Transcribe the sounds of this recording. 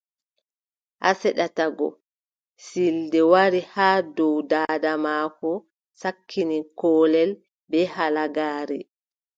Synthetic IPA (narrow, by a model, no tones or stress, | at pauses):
ʔasɛɗataɡɔ̰ | sildɛwaɾihaːdɔwdaːdamaːkɔ | sakʰːinikɔːlɛl | bɛhalaɡaːɾɛ